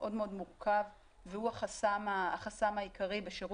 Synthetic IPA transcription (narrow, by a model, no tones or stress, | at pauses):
ʔo̞d̪meo̞d̪muʁkʰav | vehuaχasamaːχasamaikaʁibeʃeʁu